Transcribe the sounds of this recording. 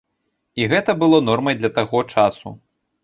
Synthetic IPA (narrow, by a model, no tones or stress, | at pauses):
iɣɛt̪ɐbɨlˠɔnɔrmɐjd̪lʲɐt̪aɣɔt͡ʂasṵ